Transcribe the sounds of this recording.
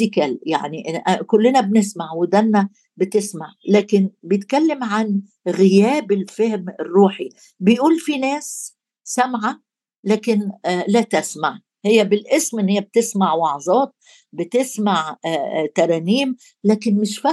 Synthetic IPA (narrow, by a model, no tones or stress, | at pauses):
ikælja̰ʕniʔʔkʊlːɪnæbnɪsmaʕwɪd̪ænːæ | bɪt̪ɪsmaʕlæːkɪnbjɪt̪kælːɪmʕan | ɣɪjæːbɪlfehmɪrːuːħi | bɪjʔuːlfinæːs | sæmʕa | læːkɪnlæt̪æsmaʕ | hɪjːæbɪlʔɪsmʔɪnːhɪjːæb̚t̪ɪsmaʕwɑʕzˤɑːt̪̚ | bɪt̪ɪsmaʕt̪ɑɾˤɑːmiːm | læːkɪnmɪʃfæ